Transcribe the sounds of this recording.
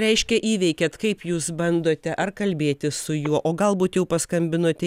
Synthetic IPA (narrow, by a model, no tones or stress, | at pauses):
ɾʲɛɪʃʲkʲɛʔiːʋʲɛɪkʲeːt̪kɐɪpjuːsbɐnd̪oːt̪ʲɛʔɐɾkɐlʲbʲeːt̪ʲɪsʊjuɔʔoːɡɐlˠbuːt̪jɛʊpɐskɐmʲbʲɪnoːt̪ʲɛ